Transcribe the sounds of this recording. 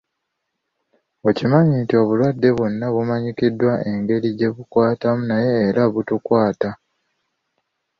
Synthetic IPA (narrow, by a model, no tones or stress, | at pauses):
o̞cimaɲitio̞βulwadːe̞βwo̞nːaβumaɲikidːwaʔe̞ŋɡe̞ɾiɟe̞βukwaːtamunaje̞ːɾaβutukwaːta